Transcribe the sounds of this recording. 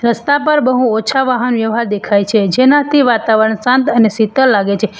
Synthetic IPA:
ɾəst̪apəɾbəɦũot͡ʃʰaʋaɦənʋjəʋɦaɾd̪ekʰajt͡ʃʰed͡ʒenat̪ʰiʋat̪aʋəɾəɳsãnt̪ənesit̪əɾlaɡet͡ʃʰe

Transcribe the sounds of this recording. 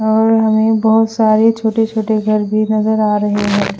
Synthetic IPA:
ɔːɾɦɐmẽbɐɦʊt̪saːɾet͡ʃʰoːʈet͡ʃʰoːʈeɡʱɐɾbʱinɐzəɾaːɾɐɦeɦɛ̃ː

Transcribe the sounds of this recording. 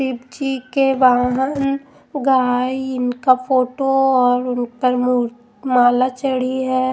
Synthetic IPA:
sɪbd͡ʒikeʋaːɦən | ɡaːiɪnkapʰoːʈoɔːɾʊnpɐɾmu | maːlat͡ʃəɽiɦɛː

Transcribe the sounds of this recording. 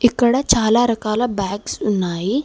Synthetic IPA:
ikəɽat͡ʃʰaːlaɾɐkaːlabaːksunaːi

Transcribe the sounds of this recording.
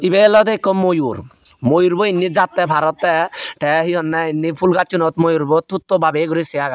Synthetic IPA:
ibelɔd̪ekːɔmːojuɾmojuɾbɔinːid͡ʒat̪ːɛbʱaɾɔt̪ːɛʈʰɛɦiɦɔnːɛinːipʰulɡat͡ʃunɔt̪mojuɾbɔt̪ʰːut̪ːɔbabeɡɔɾisiaɡa

